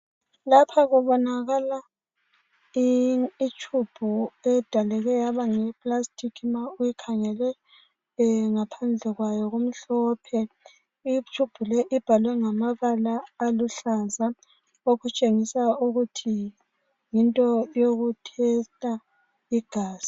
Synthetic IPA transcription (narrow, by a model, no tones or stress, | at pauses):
lapʰaɣuβɔnaɣala | iit͡ʃʰʼub̥ʱuɛd̥ʱalɛɣɛjaβaŋɛpʼlastʼikʰimaujikʰaŋɛlwɛ | ŋapʰand͡ɮʱɛɣwajɔɣom̩ɬɔːpʰɛ | it͡ʃʰʼub̥ʱulɛʔib̥ʱalwɛŋamaβalaːluɬaza | oɣut͡ʃʼeŋisauɣutʰi | jintʼɔjoɣutʰɛtʼa | iɡ̥ʱaːz̥i̥